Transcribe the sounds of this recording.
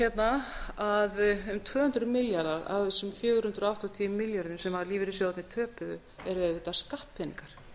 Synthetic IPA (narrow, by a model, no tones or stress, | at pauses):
sjɛt̪naaðʏmt̪ʰvœːhʏnt̪ɾʏmɪljaɾðaɾa̰wðvɛsːʏmfjœːɣʏɾ̥ʏnt̪ɾɔawht̪ɔt̪ʰiːʏmːɪljaɾnʏmsɛmaɾliːvɪɾɪsɔat̪nɪt̪ʰœːpʏðʏ̰ | ɛɾɛvɪt̪askaht̪pʰɛnḭŋkaɾ̥